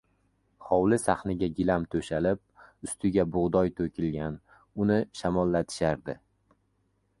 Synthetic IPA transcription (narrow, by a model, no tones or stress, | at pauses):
χɒwlɪsaχnɪɡʲaɡʲɪlamt̪ʰɵʃalɪp̚ʊst̪ʰɪɡʲabʊʁd̪ɒjt̪ʰɵkʲʰɪlɡʲan | ʊnɪʃamɒlːat̪ʰɪ̥ʃaɾd̪ɪ